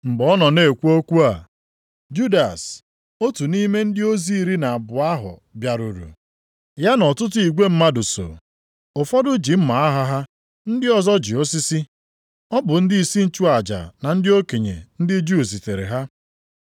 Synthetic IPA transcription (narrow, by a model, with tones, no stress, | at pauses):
m̩˨bɔ˦nɔ˨ne˨kʷu˦o˦kʷu˦a˨ | d͡ʒu˦da˨s | o˦tu˨ni˦me˦n̩˦dɪ˦o˦zi˦i˦ɾi˦na˨a˨bʊ˨a˦ɦʊ̰˨bja˨ɾu˨ɾṵ˨ | ja˦nɔ˨tʊ˦t̬ʊ˦i˨ɡʷe˦m̩˦ma˦dʊ˨so̰˨ | o˨fɔ˦dʊ˦d͡ʒi˨m̩˦ma˨a˦ɦa˦ɦa˦ | n̩˦dɪ˦ɔ˨zɔ˦d͡ʒɪ˨o˦si˦si˦ | ɔ˦bʊ˨n̩˦dɪ˦i˨si˦n̩˦t͡ʃu˦a˨d͡ʒa̰˨na˨n̩˦dɪ˦o˦ke˨ɲḛ˨n̩˦dɪ˦d͡ʒu˦˨zi˨te˨ɾḛ˨ɦa˦